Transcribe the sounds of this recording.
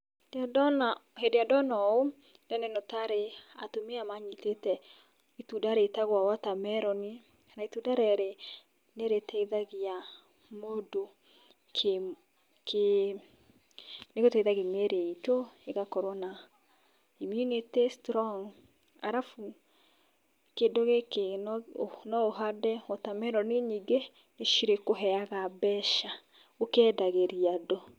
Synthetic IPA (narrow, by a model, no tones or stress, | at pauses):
nhedeadɔnɔo | dɛnɛnotaɾea̰tomeamaɲitetɛ | itudaɾetaɣwawatamɛɾɔni | naitudaɾɛɾe | neɾetɛiðaɣia | modo | kʰe | ke | neɣotɛiðaɣemeɾeitoeɣakɔɾɔna | imunetestɾɔŋ | a̰ɾafu | kendoɣeke | nɔoɦadɛɔtamɛɾɔneɲiɡe | neʃiɾekoɦɛaɣabɛʃa | okɛːdaɣeɾiado